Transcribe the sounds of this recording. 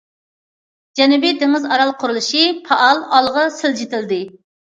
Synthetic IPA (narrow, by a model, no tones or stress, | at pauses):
d͡ʒɛnubid̪eŋɨzɑɾɑlˠqʰʊɾulˠɨʃipʰɑʔɑlˠɑlˠʁɑsɪld͡ʒit̪ɪld̪ɪ